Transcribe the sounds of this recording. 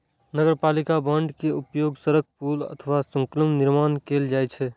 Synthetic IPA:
nəɡəɾpalikabəɳɖkeupjoɡsəɾək̚ʰpulə̰t̪ʰəʋasə̃ŋkələmniɾmankeld͡ʒat͡ʃʰɛ

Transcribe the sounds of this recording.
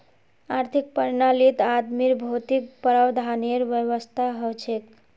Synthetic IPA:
aɾt̪ʰik̚pəɾnalit̪ad̪miɾbʱot̪ik̚pəɾəwd̪ʱaneɾʋjəwəst̪ʰaɦət͡ʃʰek

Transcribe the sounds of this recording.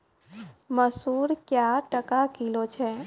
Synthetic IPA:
məsuːɾkjaʈəkakilot͡ʃʰɛː

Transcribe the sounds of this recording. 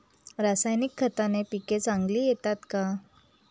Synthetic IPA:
ɾasajnikʰːət̪anepiket͡saŋɡliːjet̪at̪ka

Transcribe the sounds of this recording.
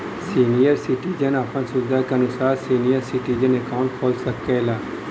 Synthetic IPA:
siːnijəɾsɪʈiːd͡ʒənapənsʊɾd̪ʱakeɐnʊsaːɾsiːnijəɾsɪʈiːd͡ʒənekaʊ̃ɳʈ̚kʰoːlsɐkːelaː

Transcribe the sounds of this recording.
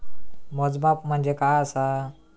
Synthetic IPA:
mɔd͡zbapm̤əɳd͡zekajəsa

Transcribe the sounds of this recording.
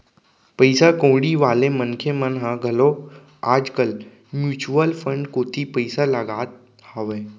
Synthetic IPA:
pəɪsakõːɽiʋaːlemənkʰemənɦãɡʱəlo | aːd͡ʒkəl | mjuːt͡ʃuəlfʰə̃ɳɖkoːt̪ʰipəjsaləɡaːt̪̚ | həʋeː

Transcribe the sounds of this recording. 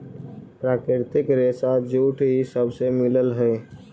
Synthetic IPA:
pɾaːkɾɪɾt̪ɪkɾeːsad͡ʒuːʈɦisəbsemɪləlɦɛː

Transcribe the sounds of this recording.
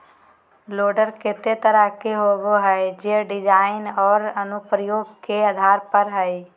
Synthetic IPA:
loːɖəɾkɪt̪et̪əɾəkeɦoːɡoɦɛed͡ʒeɖɪd͡ʒaːɪnɔːɾənʊpɾəjoːɡkeəd̪ʱaːɾpəɾɦəi

